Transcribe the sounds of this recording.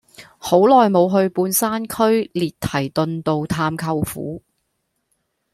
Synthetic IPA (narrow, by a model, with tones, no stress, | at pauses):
ho˨˥wlɔː˨jmo˨˧wɦɵ˧ɥpuː˧nsaː˥nkʰɵ˥ɥliː˨tt̪ʰɐ˨˩jt̪ɵ˧nt̪o˨˧wt̪ʰaː˧mkʰɐ˧wfṵː˨˥